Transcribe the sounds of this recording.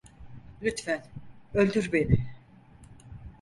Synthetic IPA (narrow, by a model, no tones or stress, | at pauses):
lʲyt̪fænølʲd̪yɾbe̞nɪ